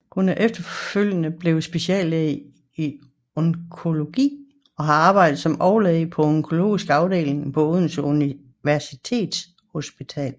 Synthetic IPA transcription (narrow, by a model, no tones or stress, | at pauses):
kʰunæʔefd̥ɐføl̰jənəb̥le̝ʊsb̥e̝siɛ̰ːle | i | oŋkʰo̝lo̝ɡ̥ḭː | ɒ̽ɦɑ̈ɑ̈ːb̥ɑ̈ɪd̥ð̩ˠsɒ̽mɒʊleðˠpʰɒ̽ɔŋkʰo̝lo̝̰ːisɡ̥ɑ̈ʊd̥e̝̰ːleŋpʰɔoðˠn̩suni | ʋæɐsit͡sʰe̝̰ːd̥s | ho̝sb̥it͡sʰɛ̰ːl